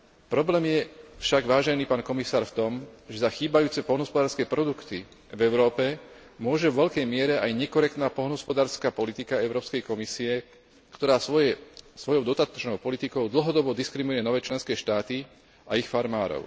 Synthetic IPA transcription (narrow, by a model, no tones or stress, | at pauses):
pɾɔblɛːmjɛfʃaɡʋaːʒɛniːpaːnkɔmisaːɾft̪ɔmʒɛzaxiːbajuːt͡sɛpɔlnɔspɔd̪aːɾskɛːpɾɔd̪ukt̪i | vɛʊɾɔːpɛ | mʊɔʒɛʋʋɛʎkɛjmɪɛɾɛajɲɛkɔɾɛk̚t̪naːpɔlnɦɔspɔd̪aːɾskaːpɔlit̪ikaɛʊɾɔːpskɛjkɔmisiɛ | kt̪ɔɾaːsɔɛsʋɔjɔʊd̪ɔt̪at̪ɔ̥t͡ʃnɔʊpɔlit̪ikɔʊd̪l̩ɦɔd̪ɔbɔd̪iskɾimujɛnɔʋɛːt͡ʃlɛnskɛːʃt̪aːt̪i | ʔaixfaɾmaːɾɔ̰ʊ